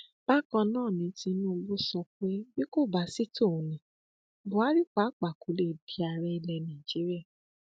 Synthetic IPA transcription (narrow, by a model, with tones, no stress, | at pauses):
b̥a˦kã˧nãː˦˨nĩ˧˦ti˧nũ˦˧ɡ͡bo˦sɔ̃˧k͡pe˦bi˦ko˦˨ba˨si˦tõ˦˨nĩ˨˦ | bo˨a˨˦ɾi˦k͡pa˨˦k͡pa˨ku˨˦le˦˨di˨˦a˧ɾɛ˧i˧lɛ˧nã˨d͡ʒi˨˦ɾi˦a˦˨